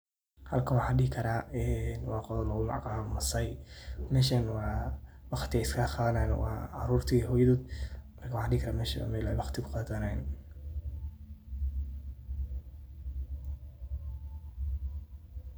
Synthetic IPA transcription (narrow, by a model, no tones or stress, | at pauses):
hɐlkʰɐnwɑħɑːɖɪɪkʰɐɾaːɛnwɑːqɔðlɐɣʊmɑ̰ʕqaːmɐsɐjmɛːʃɐnwɑwɑχt̪ʰɪɛskʰaqaːðɐnaːn̰wɑ̰ːʕɑ̰ɾuːrt̪ʰiɦɔːjɐðoːd̪mɐrkʰɐwħaːɖɪɪkʰɐɾaːmɛːʃɐ̰mɛlɛjwɑχt̪ʰɪkʰʊ̥qɑːðɐnan